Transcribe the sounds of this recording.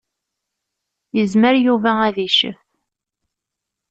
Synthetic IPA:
jəzməɾjuvææðiʃəf

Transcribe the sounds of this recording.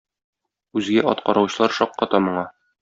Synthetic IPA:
ʉzɡæʔɒt̪qɒɾɑwɕɤ̆lˠɑɾʃɒqːɒt̪ɑmŏɴɑ

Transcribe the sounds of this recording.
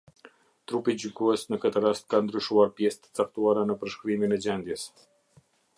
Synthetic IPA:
t̪ɾupid͡ʑyɡɔɛsnəkət̪əɾast̪̚kand̪ɾyʃuaɾpjɛst̪ə̥t͡sak̚t̪uaɾanəpəɾʃkɾiminɛd͡ʑɛnd̪jɛs

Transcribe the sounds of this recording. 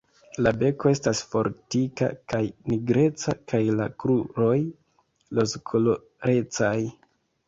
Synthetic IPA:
labe̞ko̞e̞stasfo̞̰ɾtika̰kajniɡɾe̞t͡sa̰kajlakɾuɾo̞j | lo̞skʰolo | ɾe̞t͡saj

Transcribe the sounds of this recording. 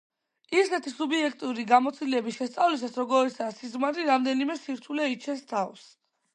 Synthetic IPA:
iɾsɛt̪ʰisubiɛkʰt̪ʼuɾiɡamɔt̪sʰilɛbisʃɛst̪sʼavlisasɾɔɡɔɛsaːsizmaɾiɾamd̪ɛnimɛsiɾt̪ʰulɛit͡ʃʰɛst̪ʰavs

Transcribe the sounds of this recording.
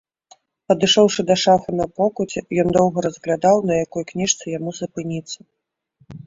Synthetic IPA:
pɐd̪ɨʂɔwʂɨd̪ɐʂafɨnɐpɔkut͡sʲɛjɔnd̪ɔwɣɐɾɐzɣlʲad̪awnɐjakɔjknʲiʂt̪sɨjamuzɐpɨnʲit̪sːɐ

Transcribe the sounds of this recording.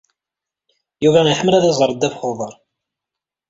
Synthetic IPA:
juvæiħəmːəlæðæzˤəɾˤd̪ːæfχoðˤəɾˤ

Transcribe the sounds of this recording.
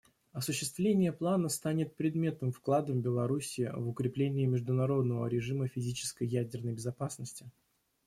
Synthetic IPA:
ɐsʊɕːɪst̪vlʲenʲɪjəplˠanəst̪anʲɪt̪̚pɾʲɪd̪mʲe̞t̪əmfklˠad̪əmbʲɪlˠɐɾusʲɪːvʊkɾʲɪplʲenʲɪːɪmʲɪʐd̪ʊnɐɾo̞d̪nəvə̰ɾʲɪʐɨməfʲɪzʲit͡ɕɪ̥skəjːædʲɪrnəjbʲɪzɐpasnəsʲtʲɪ

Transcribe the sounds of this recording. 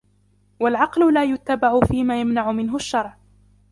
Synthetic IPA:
walʕɑqlʊlaːjʊt̪ːabaʕʊfiːmaːjamnaʕʊmɪnɦʊaʃːɑɾˤʕ

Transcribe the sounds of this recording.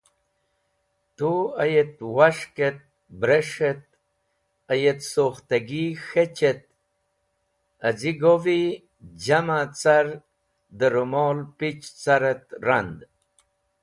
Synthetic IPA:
t̪uɐjet̪waʂket̪̚ | bɾeʂet̪̚ | ɐjet̪soxt̪ɐɡixet͡ɕet̪̚ | ɐd͡ziɡovi | d͡ʑamat͡saɾ | d̪əɾumoːlpit͡ʃt͡saɾet̪ɾand̪

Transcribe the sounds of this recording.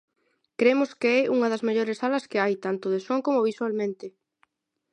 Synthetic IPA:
kɾemʊskeɛʔuŋɐðɐzmeʎoɾɪsalɐskeajt̪ant̪oð̞esoŋkomoβiswalmẽnt̪ɪ

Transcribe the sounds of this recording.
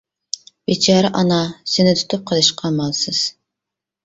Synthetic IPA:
bit͡ʃʰɑːɾɛʔɑnɑsɪnɪt̪ʰu̥t̪ʰup̚qʰəlˠɨʃqʰɑmɑlˠsɨz̥

